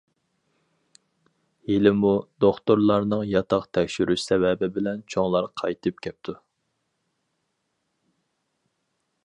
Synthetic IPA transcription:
helɪmud̪oχt̪oɾlˠɑɾnɨŋjɑt̪ʰɑqt̪ʰɛkʲʃyɾyʃsɛvɛbɪbɪlɛnt͡ʃʰoŋlˠɑɾqʰɑjt̪ʰɨp̚kʲʰɛp̚t̪ʰu

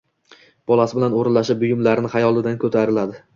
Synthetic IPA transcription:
b̥ɒlˠasɪbɪlanoɾɪnlaʃɪp̚bʊjʊmlaɾɪnɪχajɒlˠɪd̪ankʰɵt̪ʰaɾɪlad̪ɪ

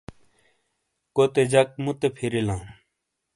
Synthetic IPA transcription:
kot̪ed͡ʑɐk̚mut̪epʰiɾilãː

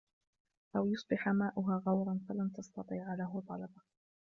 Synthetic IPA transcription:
ʔawjʊsˤbɪħamaːʔʊɦaːɣɑwɾˤɑnfalant̪ɑst̪ɑt̪ˤiːʕalaɦʊt̪ˤɑlɑbɑ

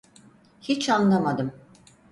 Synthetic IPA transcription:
hit͡ʃanlˠamad̪ɯm

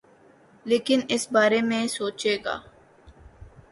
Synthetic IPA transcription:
leːkɪnɪsbaːɾemẽsoːt͡ʃeːɡa̰ː

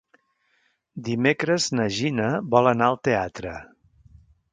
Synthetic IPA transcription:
d̪imekɾəznəʒinəβɔlˠənaəlˠt̪eat̪ɾə̰

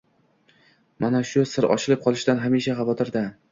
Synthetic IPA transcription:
manaʃʊsɪɾɒ̰ʃɪlɪp̚qʰɒlˠɪʃd̪anɦamiʃaχɑvɒt̪ʰɪɾd̪a

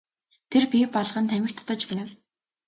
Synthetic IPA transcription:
t̪ʰerpʲipɔɮʁə̆nt̪ʰæmɪ̆kt̪ʰt̪ə̆t͡ɕpænɘ̆w

